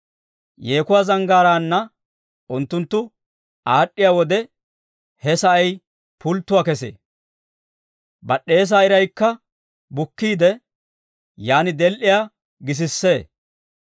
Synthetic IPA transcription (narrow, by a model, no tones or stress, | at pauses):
jeːkʊwaːzɐŋɡaːɾaːnːɐ | ʔʊnt̪ːʊnt̪ːʊ | aːɗːɪjaːwɔd̪ɛ | hɛsɐɐj | pʊlt̪ːʊwaːkɛsḛː | bɐɗːe̞ːs̬aːɪɾɐjkːɐ | bʊkːiːd̪ɛ | jaːnɪd̪ɛlʔɪjaː | ɡɪs̬ɪsːe̞ː